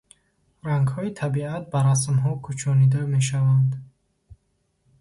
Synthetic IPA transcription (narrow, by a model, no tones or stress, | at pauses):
ɾaŋɡhɔit̪ʰabiat̪̚baɾas̬mɦɔkʰut͡ʃʰɔnid̪ame̞ʃ̬avand̪